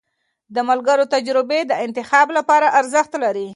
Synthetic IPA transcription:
d̪əmalɡəɾot̪ad͡ʒɾɪbed̪əɪnt̪ɪxɑblapɑɾaʔaɾzəxt̪laɾi

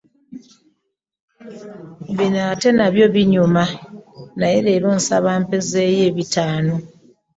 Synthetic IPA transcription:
βinate̞naβjo̞βiɲuma | najele̞ːɾoːnsaβaːmpeze̞je̞βitaːno

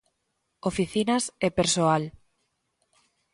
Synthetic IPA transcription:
ofiθinasepeɾsoal

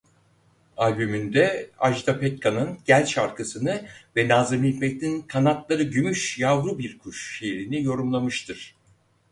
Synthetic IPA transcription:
alʲbymynd̪ɛaʒd̪apʰɛt̪̚kʰanɯnɟ̥ælʲʃaɾkʰasɯnɯvɛnaːzɯɾmic̪mɛct̪ʰʲinkʰanat̪lˠaɾɯɟymyʃjavɾubiɾkʰuʃʃeɾinijo̞ɾumlˠamɯʃt̪ʰɯɾ̥

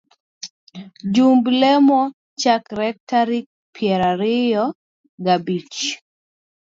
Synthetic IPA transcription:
d͡ʒumblɛmɔ | t͡ʃakɾɛtaɾik̚ | pʰjɛɾaɾɪjɔ | ɡabit͡ʃ

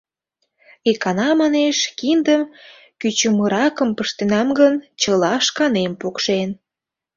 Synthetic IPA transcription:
ikɑnɑmɑneʃkind̪əm | kyt͡ɕəməɾɑkəmpəʃt̪enɑmɡənt͡ɕəlɑʃkɑnempokʃen

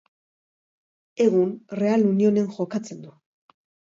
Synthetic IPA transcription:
e̞ɣunre̞alunio̞ne̞ŋʝo̞kat͡se̞nd̪u

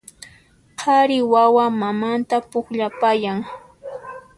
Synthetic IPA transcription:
qʰɑɾɪwawamamant̪apʊkʎapajaŋ

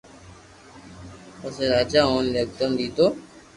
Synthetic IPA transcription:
ʊseːɾaːd͡ʒaːɦoːnlək̚d̪əmd̪iːt̪oː

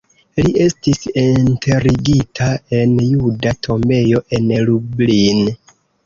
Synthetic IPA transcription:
liʔe̞stisintʰe̞ɾiɡitʰae̞njudatʰo̞mbe̞jo̞ʔe̞nelublin

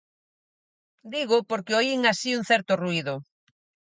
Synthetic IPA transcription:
d̪iɣʊpoɾkɪoiŋasiuŋ̟θɛɾt̪ʊruiðʊ

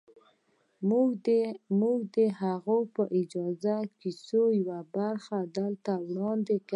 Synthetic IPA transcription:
muɡd̪əhaɣopəʔɪd͡ʒɑzakisojawabaɾxad̪əlt̪awɽɑnd̪eka

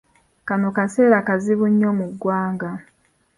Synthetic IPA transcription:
kanokase̞ːɾakaziβuɲːo̞muɡːwaːŋɡa

